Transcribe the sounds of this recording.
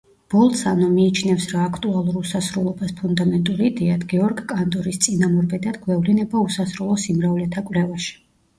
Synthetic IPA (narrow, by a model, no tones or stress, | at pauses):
b̥ɔlˠt̪sanɔmiːt͡ʃʰnɛfsɾaːkʰt̪ʼualˠuɾusasɾulˠɔbaspʰund̪amɛnt̪ʼuɾid̪ɛad̪ʰɡɛɔɾɡkʼant̪ʼɔɾist̪sʼinamɔɾbɛd̪ad̪ɡwɛvlinɛbausasɾɔlˠɔsimɾavlɛt̪ʰakʼwlɛvaʃi̥